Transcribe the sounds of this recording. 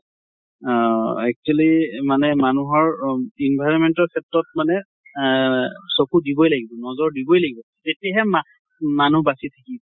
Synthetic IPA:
ɛk̚t͡ʃualimanɛmanuɦɔɹinbʱajɹɔnmɛntɔɹkʰɛtɹɔt̚manɛ | sokudibɔjlaɡibɔnɔzɔɹdibɔjlaɡibɔ | tetiaɦɛma | manubasitʰakibɔ

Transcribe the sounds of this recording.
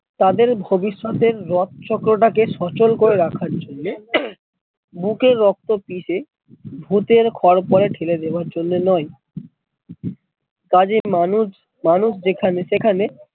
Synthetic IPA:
t̪ad̪eɾbʱobiʃːot̪eɾːɔt̪̚t͡ɕɔkɾoʈ̬akeʃɔt͡ɕolkoɾeɾakʰaɾd͡ʑonːe | bukeɾːɔk̚t̪opiʃe | bʱut̪eɾkʰɔɾpɔɾeʈʰeled̪ebaɾd͡ʑonːenɔe | kad͡ʑeanu | manuʃd͡ʑekʰaneʃekʰane

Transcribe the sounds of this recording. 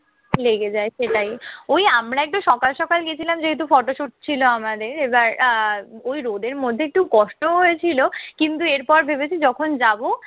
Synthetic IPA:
leɡed͡ʑaeʃeʈajojamɾaɛk̚ʈoʃɔkalʃɔkalɡet͡ɕʰilamd͡ʑeɦet̪̬ufɔʈoʃuʈ̚t͡ɕʰiloamad̪eɾebaɾ | ojɾoɖeɾmod̪ʱːeek̚ʈukɔʃʈoɦojet͡ɕʰilokint̪ueɾpɔɾbʱebet͡ɕʰid͡ʑɔkʰond͡ʑabo

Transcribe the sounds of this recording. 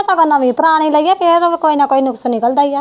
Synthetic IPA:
sãɡənːaːʋĩːpəɾaːɽ̃iːləiːjaːpʰɪɾkoːiːnaːkoːiːnʊksənnikəld̪aːijaː

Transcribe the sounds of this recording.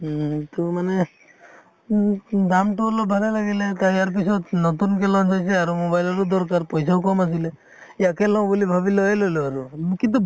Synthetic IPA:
t̪ɔmane | d̪amʈulɔbʱalelaɡelet̪aaɾp̬isɔt̪nɔt̪unkelɔ̃nd͡ʒajseaɾumobajlɔɾud̪ɔɾkaɾpɔjs̬aɦukɔmas̬ile | jəkelɔwbulibʱabilɔelɔluaɾukint̪u

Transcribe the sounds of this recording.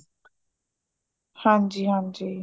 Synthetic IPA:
hãnd͡ʒihãnd͡ʒi

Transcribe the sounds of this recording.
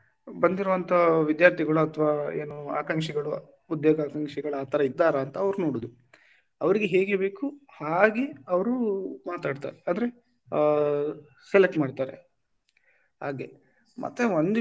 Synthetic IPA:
bɐnd̪iɾuʋɐnt̪ʰɐʋid̪jaːɾt̪ʰiɡɐɭuɐt̪ʰɐʋaːeːnua̰ːkɐŋkʂiɡɐɭu | ud̪joːɡaːkɐŋkʂiɡɐɭaːt̪ʰɐɾɐid̪ːaːɾɐːnt̪ɐːʋɐɾunoːɽod̪u | ɐʋɐɾiɡeɦe̞ːɡe̞be̞ːkuhaːɡeɐʋɐɾumaːt̪aːɖt̪a̰ːɾeand̪ɐɾe̞ | sɛlek̚ʈmaːɖt̪aːɾḛ | haːɡe̞ | mɐ̰t̪ːe̞ʋond̪i

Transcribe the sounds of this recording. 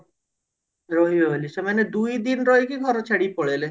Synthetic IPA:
ɾoɦibeɦoliʃemaned̪ujd̪inɾɔekiɡʱɔɾot͡ʃʰaɽipɔɽele

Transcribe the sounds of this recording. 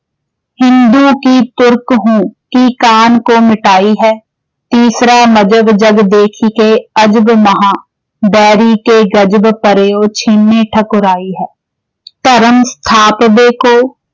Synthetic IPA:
hɪ̃nd̪ukit̪ʊɾkɦũːkikaːnkomɪʈaːiɦɛː | t̪iːsɾamɐd͡ʒəbd͡ʒəɡd̪eːkʰikeɐd͡ʒbmɐɦãː | bɛːɾikeɡɐd͡ʒbpəɾeːoːt͡ʃʰɪnːeʈʰɐkʊɾaːiɦɛː | t̪ɐɾəmst̪ʰaːpbeːkoː

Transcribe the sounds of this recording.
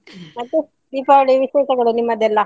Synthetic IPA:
ɐt̪u | d̪iːpaɐɭiʋiʃeːʃɐɡɐɭunimːɐd̪ɛlːɐ

